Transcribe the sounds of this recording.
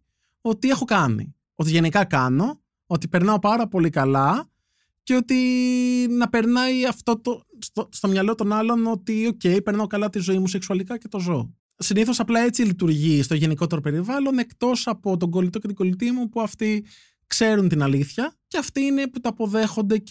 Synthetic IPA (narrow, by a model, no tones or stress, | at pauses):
o̞t̪ie̞xo̞kɐnḭ | o̞t̪iʝe̞nikɐkɐno̞ | ot̪ipe̞ɾnɐo̞pɐɾɐpo̞likɐlɐ | ceo̞t̪i | nɐpe̞ɾnɐjɐft̪o̞t̪ost̪ost̪o̞mɲɐlo̞t̪o̞nɐlo̞no̞t̪io̞ce̞jpeɾnɐokɐlɐt̪izo̞imuseksuɐlikɐce̞t̪o̞zoo | siniθo̞sɐplɐe̞t͡silit̪uɾʝist̪o̞ʝe̞niko̞t̪e̞ɾope̞ɾivɐlone̞kt̪o̞sɐpo̞t̪o̞ŋɡo̞lit̪o̞ce̞t̪iɡo̞lit̪iɐmupuɐft̪i | kse̞ɾunt̪inɐliθçɐceɐft̪iine̞put̪oɐpo̞ðe̞xo̞nd̪e̞